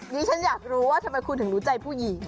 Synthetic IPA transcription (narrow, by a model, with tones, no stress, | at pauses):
ɲiː˦˥t͡ɕʰa˦˥njaː˨˩k̚ɾuː˦˥waː˥˩t̪ʰa˧ma˧jkʰu˧nt̪ʰɯ˩˦ɾuː˦˥t͡ɕa˧jpʰuː˥˩ji˨˩˦